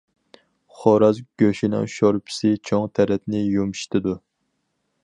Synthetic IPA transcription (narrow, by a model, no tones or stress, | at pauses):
χɔɾɑzɡʲøʃinɛ̰ŋʃɑɾpʰɪ̥sɪt͡ʃʰɔŋt̪ʰæɾɛt̪nɪjomʃt̪ɪd̪u